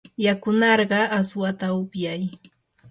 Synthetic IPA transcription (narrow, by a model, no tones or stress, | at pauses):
jakʊnɑɾɢɑaswat̪aʊpjaj